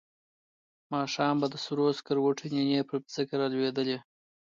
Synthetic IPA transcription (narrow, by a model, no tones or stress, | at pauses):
mɑʃɑmbad̪əsuɾoskaɾwoʈʰinenepɾpzəkaɾɑlwed̪əle